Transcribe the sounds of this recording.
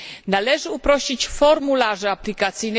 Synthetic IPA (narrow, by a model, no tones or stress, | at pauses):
nalɛʐɘupɾɔɕit͡ɕfɔɾmulaʐɛaplʲikat̪sɘjnɛ